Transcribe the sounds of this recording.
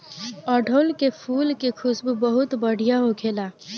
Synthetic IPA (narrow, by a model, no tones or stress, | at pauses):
əːɖʱoːlkepʰuːlkekʰʊsbbəɦʊt̪bəɽ̤ʱijaɦokʰeːlaː